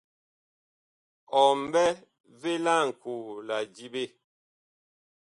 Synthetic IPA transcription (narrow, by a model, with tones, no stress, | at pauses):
ɔ˨m˦bɛ˦ | ve˦la˦˨ŋ̩˨ku˨la˨d͡ʒi˦be˦˨